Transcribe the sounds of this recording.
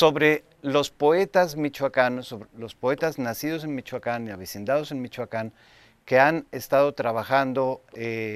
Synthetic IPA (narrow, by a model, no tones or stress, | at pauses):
soβɾe | lospoet̪azmit͡ʃwakansoβlospoet̪aznasiðos̬enmit͡ʃwakaniaβisind̪aðosenmit͡ʃwakan | keanest̪aðot̪ɾaβaxand̪oe